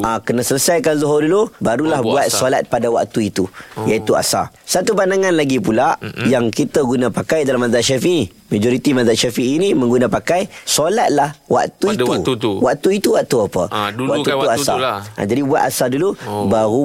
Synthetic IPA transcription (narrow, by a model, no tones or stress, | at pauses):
akənasələsajkanzoɦʊrdulubaɾulahbuat̪solat̪̚padawa̰ʔt̪uit̪ujait̪ua̰sa̰ | sat̪upandaŋãnlaɡipulajaŋkit̪aɡunãpakajdalamãzaʔʃafiʔi | mad͡ʒɔɾit̪imazaʔʃafiʔiːnimə̃ŋɡunapakajsolat̪̚lahwa̰ʔt̪uitt̪utwaʔt̪uit̪uwaʔt̪uapə̰waʔt̪uit̪uasa̰a̰d͡ʒadibua̰t̪asadulubaɾu